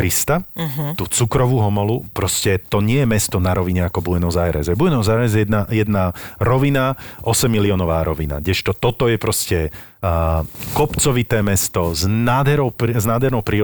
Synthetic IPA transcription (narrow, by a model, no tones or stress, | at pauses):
ɾist̪at̪ut͡sukɾɔʋuɦɔmɔlupɾɔscɛt̪ɔɲɪɛjɛmɛst̪ɔnaɾɔʋiɲɛakɔbujɛnɔzajɾɛ̰zɛbujɛnɔzaɾɛzɛɛd̪najɛd̪naɾɔʋinaʔɔsɛmːiliɔnɔʋaːɾɔʋina̰ɟɛʃt̪ɔt̪ɔt̪ɔjɛpɾɔscɛ | kɔpt͡sɔʋit̪ɛːmɛst̪ɔznaːd̪ɦɛɾɔʊpznaːd̪ɦɛɾnɔʊpɾiː